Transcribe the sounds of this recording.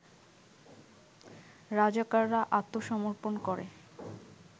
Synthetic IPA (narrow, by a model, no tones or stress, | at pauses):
ɾad͡ʑakaɾːaʔat̪ːoʃɔmoɾponkɔɾḛ